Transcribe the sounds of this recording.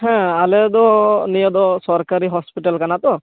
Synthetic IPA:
hɛ̃alɛd̪ɔnijɔd̪ɔsɔɾkaɾiɦɔspiʈalkanat̪ɔ

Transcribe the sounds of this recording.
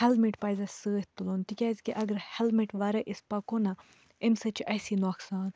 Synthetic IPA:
hɐlmiʈpɐzɐsəːt̪ːulont̪ikʲazʲkiʔɐɡɐɾhɛlmiʈʋɐɾɐʔispɐkonɐ | emsɐt͡ʃʰiʔɐsinoksaːn

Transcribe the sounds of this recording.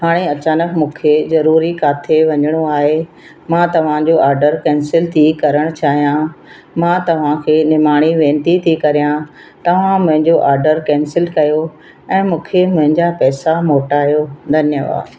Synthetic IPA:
ɦaːɽ̃eɐt͡ɕaːnəkmũːkʰezɐɾuːɾikaːt̪ʰeʋɐɲəɽ̃oaːɦe | mãːt̪ɐʋ̤ãd͡ʑoʔaːɾɖəɾkɛ̃ːnsɪlt̪ʰikɐɾəɽ̃t͡ɕaːɦijã | mãt̪ɐʋ̤ãkʰeːnɪmaːɽ̃iʋẽːnt̪it̪ʰikɐɾijã | t̪ɐʋ̤ãmʊ̃ɦɪ̃ɲd͡ʑoʔaːɾɖəɾkɛ̃ːnsɪlkɐjo | ɛ̃ːmũːkʰemʊ̃ɦɪ̃ɲd͡ʑapɛːsamoːʈaːɦijod̪ʱɐnjəʋa̰ːd̪

